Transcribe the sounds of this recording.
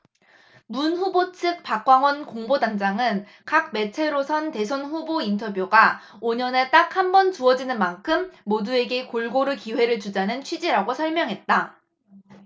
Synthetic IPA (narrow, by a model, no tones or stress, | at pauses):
munɸubot͡ɕʰɯk̚p͈ak̚k͈waŋwʌnkoŋbodaŋd͡ʑaŋɯn | kak̚me̞t͡ɕʰe̞ɾosʰʌnte̞sʰonɸubointʰʌbjoɡa | oɲʌne̞t͈ak̚hambʌnt͡ɕuʌd͡ʑinɯnmankʰɯmːodue̞ɡe̞koɭɡoɾɯkiwe̞ɾɯɭt͡ɕud͡ʑanɯnt͡ɕʰɥid͡ʑiɾaɡosʰʌɭmjʌŋɦe̞t̚t͈a